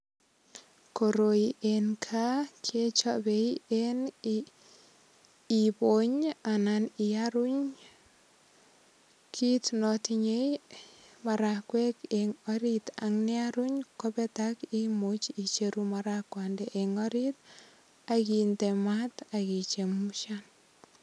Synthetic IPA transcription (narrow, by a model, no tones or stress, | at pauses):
koɾoiʔenkʰakʰet͡ʃɔbeien | iboɲananiaɾuɲ | kʰitnɔtiɲej | maɾakwɛkeŋɔɾita̰ŋniaɾuɲkɔpɛtakimot͡ʃit͡ʃeɾumaɾakwandɛʔeŋɔɾit̚ | akintɛmatakit͡ʃemuʃan